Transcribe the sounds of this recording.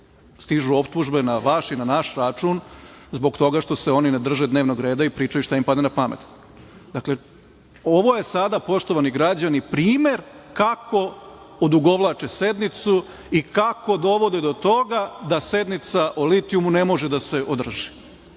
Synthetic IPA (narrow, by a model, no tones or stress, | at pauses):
st̪iʒuo̞pt̪uʒbenaʋaʃinanaʃɾat͡ʃun | zbo̞ɡt̪o̞ɡaʃt̪o̞seo̞nined̪r̩ʒed̪neːʋnoɡɾe̞ːd̪aipɾiːt͡ʃajuʃt̪aimpad̪enapamḛt̪ | d̪akle̞ | o̞ʋo̞je̞sad̪apo̞ʃt̪o̞ʋaniɡɾad͡ʑanipɾiːmeɾkako̞ | od̪uɡo̞ʋlˠat͡ʃe̞se̞d̪nit̪su | ikako̞d̪o̞ʋo̞d̪ed̪o̞t̪o̞ɡad̪ase̞d̪nit̪saʔolit̪iumunemo̞ʒed̪ase̞ʔod̪r̩ʒi̥